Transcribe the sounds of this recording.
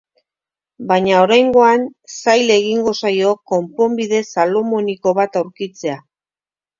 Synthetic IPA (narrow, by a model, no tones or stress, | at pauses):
bajɲao̞ɾajŋɡo̞ansajle̞ɣiŋɡo̞sajo̞ko̞mpo̞mbiðe̞salo̞mo̞niko̞βat̪awɾkit͡se̞a